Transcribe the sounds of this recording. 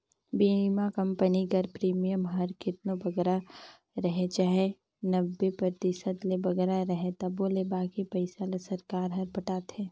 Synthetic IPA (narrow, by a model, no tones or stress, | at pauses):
biːmakɐ̃mpəniɡɐɾpɾiːmijəmɦɐɾkɪt̪nobɐɡɾa | ɾɐɦet͡ʃaːɦe | nɐbːepɾəɾt̪isət̪lebɐɡɛɾaɾɐɦet̪ɐboːlebaːkipɐɪsalesɐɾkaːɾɦɐɾpɐʈaːt̪ɛː